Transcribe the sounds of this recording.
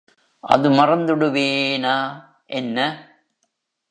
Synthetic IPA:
ʔɐ̰ðɯmɐrɐnd̪ɯɽɯʋeːnaː | ʔɛnːɐ

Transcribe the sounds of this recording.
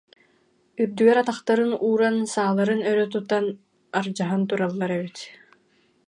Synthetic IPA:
yɾd̪yɡɛɾat̪aχt̪aɾɯnuːɾansaːlˠaɾɯnœɾœt̪ut̪an | aɾd͡ʑaɦant̪uɾalˠːaɾɛβyt̪

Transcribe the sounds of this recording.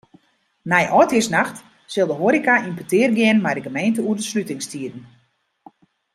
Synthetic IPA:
nɛjʔɔjthiəsnaxt | sɪlˠdəɦoːɾikaʔimpətɪːrɡjɪənmɛjdəɡəmejntəuərdəslytɪŋstiədn̩

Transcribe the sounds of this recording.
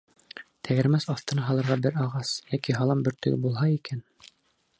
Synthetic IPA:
t̪ʰæɡɘ̆ɾmæsɑft̪ɤ̆nɑɦɑlˠɤ̆ɾʁɑbɘɾɑʁɑsjækiɦɑlˠɑmbɵ̆ɾt̪ɵ̰̆ɡɘ̰bulˠɦɑikæn

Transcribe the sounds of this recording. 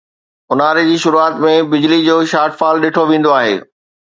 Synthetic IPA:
ʊnaːɾed͡ʑiːʃʊɾuaːt̪mẽbɪd͡ʑlid͡ʑoːʃaːʈfaːlɗeːʈʰoʋẽːn̆d̪oaːɦḛː

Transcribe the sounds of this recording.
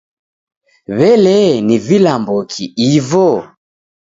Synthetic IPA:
βɛlɛnivilambɔkʰiivɔ

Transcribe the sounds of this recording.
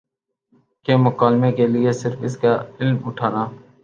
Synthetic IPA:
kemʊkaːlmekelɪesɪɾfɪskaːɪlmʊʈʰaːnaː

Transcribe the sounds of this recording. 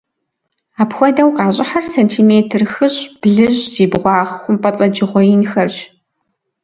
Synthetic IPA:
aːpxʷɔdɐwqɑːɕʼɪħarsɐntʰiːmeːtʰɨrxɨɕʼb̥ɮɨʑz̥iːbʁʷɑːʁχʷʊmpʼɐt͡sʼɐd͡ʒɪʁʷɔjinxɐrʒ

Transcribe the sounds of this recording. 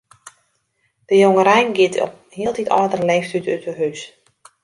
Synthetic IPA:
d̥əjoŋəɾɛjnɡɪtɔ̰ | hiəlˠtʰitɔdərəlɛːftytytəɦys

